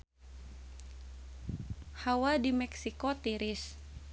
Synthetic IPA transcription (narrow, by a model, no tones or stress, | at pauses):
hawadimɛksikot̪iɾis